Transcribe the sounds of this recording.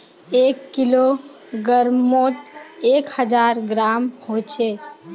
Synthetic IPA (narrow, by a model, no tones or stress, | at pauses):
ekːilo | ɡəɾmot̪eːkhəd͡ʒaːɾɡɾamhot͡ʃʰe